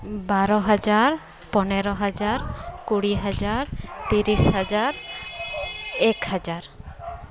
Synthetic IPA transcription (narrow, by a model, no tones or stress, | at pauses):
baɾɔɦad͡ʒaɾ | pɔneɾɔɦad͡ʒaɾkuɽiɦad͡ʒaɾt̪iɾisɦad͡ʒaɾ | ɛkhad͡ʒaɾ